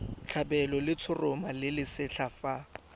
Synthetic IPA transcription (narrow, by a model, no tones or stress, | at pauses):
t͡ɬʰabɛlɔlɪt͡sʰʊrʊmalɪlɪsɪɬʰafa